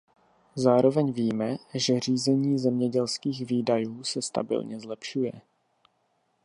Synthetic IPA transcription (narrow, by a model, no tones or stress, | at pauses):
zaːɾo̞vɛɲviːmɛʒɛr̝iːzɛɲiːzɛmɲɛɟɛlskiːxviːdajuːsɛst̪a̰bɪ̰lɲɛzlɛpʃujɛ̰